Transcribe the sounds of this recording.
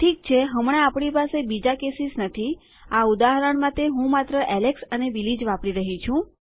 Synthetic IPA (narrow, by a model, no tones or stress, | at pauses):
ʈʰik̚t͡ʃʰeɦəmɽ̃ẽapɽ̃ipasebid͡ʒakesisnət̪ʰi | aud̪aɦəɾəɳmãt̪eɦũmat̪ɾəʔɛleksənebilid͡ʒʋapɽiɾəɦit͡ʃʰũ